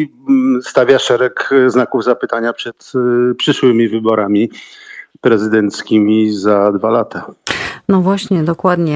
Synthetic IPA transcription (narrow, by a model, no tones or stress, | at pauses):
st̪avʲjaʂɛɾɛkznakuvzapɘt̪aɲapʂɛt̪pʂɘʂwɘmʲivɘbɔɾamʲi | pɾɛzɘd̪ɛnt̪skʲimʲizad̪valat̪anɔvwaɕɲɛd̪ɔkwad̪ɲɛ